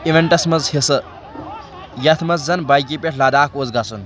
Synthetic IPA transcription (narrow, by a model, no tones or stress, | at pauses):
iʋeɳʈɐsmɐzhisɐ | jɐt̪ʰmɐzzɐnbɐjkipʲʼeʈʰlɐd̪aːkoːzɡɐsun